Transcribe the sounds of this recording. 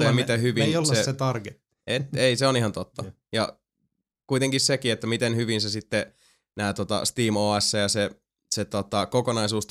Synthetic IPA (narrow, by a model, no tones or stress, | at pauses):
jɑmit̪æhyʋinolsseset̪ɑrket̪ːiʔet̪eiseonihɑnt̪ot̪ːɑ | jɑ̰ | kuit̪eŋkissekiet̪ːæmit̪enhyʋinsesit̪ːe | næːt̪ot̪ɑ̰st̪iːmoːesːæjɑse | set̪ot̪ɑkokonɑisuːst̪